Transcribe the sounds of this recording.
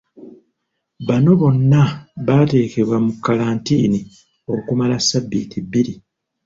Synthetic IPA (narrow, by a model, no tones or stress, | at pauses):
βano̞βo̞nːaβate̞ːke̞βwamukːalaːntiːni | o̞kumalasːabːiːtʰibːiɾi